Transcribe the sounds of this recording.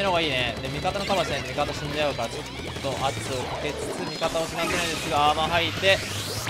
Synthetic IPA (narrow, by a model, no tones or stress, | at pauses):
nooɡaiːned̪emʲikat̪ano̞kabaɕ̬ẽɲmʲikat̪aɕĩɲ̟deaɯ̟kaɾat͡ɕo̞t̪ | t̪ːo̞ʔatɨokake̞t͡sɨ̥sɨmʲikat̪ao̞ɕinazenaĩd̪esɨɡaamaɦait̪e̞